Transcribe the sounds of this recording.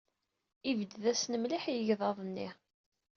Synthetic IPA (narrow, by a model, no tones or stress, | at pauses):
ivəd̪ðæsnəmliħjəʝðˤɑðˤənːi